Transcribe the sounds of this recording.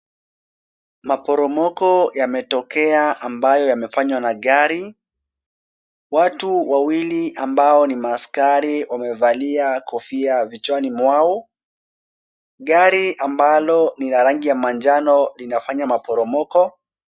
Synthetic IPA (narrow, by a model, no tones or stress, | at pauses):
mapɔɾɔmɔkɔjamɛtɔkɛaʔambajɔjamɛfaɲwanaɠaɾi | watuwawiliʔambaɔnimaːskaɾiwamɛvaliakɔfiavit͡ʃwanimwau | ɠaɾiʔambalɔnilaɾaŋɡijamand͡ʒanɔlinafaɲamapɔɾɔmɔkɔ